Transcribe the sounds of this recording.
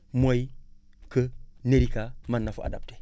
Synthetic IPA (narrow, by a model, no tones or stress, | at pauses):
moikəneɾikamanːafuʔa̰dap̚te̥